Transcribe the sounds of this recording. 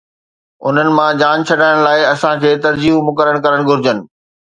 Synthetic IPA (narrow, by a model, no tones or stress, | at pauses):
ʊ̰n̤ənɪ̆mãd͡ʑaːnt͡ɕʰɐɖaːəɽ̃laːɪɐsãkʰeːt̪ɐɾd͡ʑiːɦmʊkəɾəɽ̃kɐɾəɽ̃ɡʱʊɾɪd͡ʑənɪ̆